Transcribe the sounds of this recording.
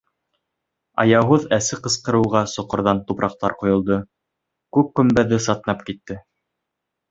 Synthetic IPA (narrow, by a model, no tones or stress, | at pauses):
ɑ̰jɑɦoðæsɘqɤ̆sqɤ̆ɾɤ̆wʁɑsŏqŏɾðɑnt̪upɾʔɑq̚t̪ɑ̰ɾqŏjŏlˠd̪ɤ | kʉp̚kɵ̆mbæðɘsɑt̪nɑpkit̪ːɘ